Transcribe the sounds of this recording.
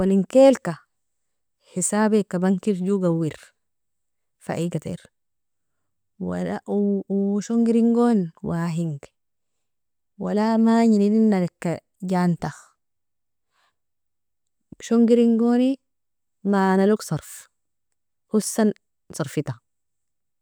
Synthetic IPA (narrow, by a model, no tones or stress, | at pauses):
waliŋkeːlka | hisaːbekabaŋkiɾɟuɡawːiɾ | fa̰ʔiɡat̪ḛɾ | wa̰la | ʃoŋɡiɾiŋɡonwaɦiŋɡ | wa̰lamaɲinininːalekːa | ɟant̪ax | ʃoŋɡiɾiŋɡoni | manaluksˤɑɾˤf | husːan | sɑɾˤfit̪a